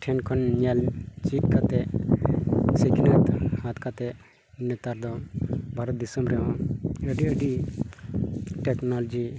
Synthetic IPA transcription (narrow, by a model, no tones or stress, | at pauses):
ʈʰɛnkʰɔnɲalt͡ʃiʈkʰat̪ɛ | siɡinat̪hat̪kʰat̪ɛ | nɛt̪aɾd̪ɔbʱaɾɔt̪̚d̪isəmɾɛɔ̃əɖiəɖi | ʈɛknɔlɔd͡ʒi